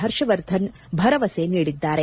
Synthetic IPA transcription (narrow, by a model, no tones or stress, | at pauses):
ɦɐɾʃɐʋɐɾd̪ʱɐn | bʱɐɾɐʋɐseːniːɽid̪ːaːɾe